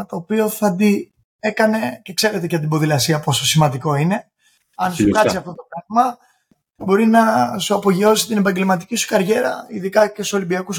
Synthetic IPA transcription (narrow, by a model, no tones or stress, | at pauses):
t̪o̞ːpio̞θɐd̪i | e̞kɐne̞ce̞kse̞ɾe̞t̪̬eʝɐt̪ibo̞ðilɐsiɐpo̞so̞simɐnd̪iko̞ine̞ | ɐnsukɐt͡siɐft̪o̞t̪o̞pɾɐɣmɐ | bo̞ɾinɐsuɐpo̞ʝio̞si̥t̪ine̞pɐɲɟe̞lmɐt̪̬icisu̥kɐɾʝe̞ɾɐ̰iðikɐce̞so̞limbiɐkus